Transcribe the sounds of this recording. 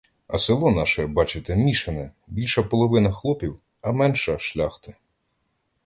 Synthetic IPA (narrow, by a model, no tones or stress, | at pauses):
ɐ̰sɪlˠɔnɑʃɛbɑt͡ʃɪt̪ɛmʲiʃɪnɛ | bʲilʲʃɐpɔlˠɔʋɪnɐxlˠɔpʲiw | ɐmɛnʃɐʃlʲaxt̪ɪ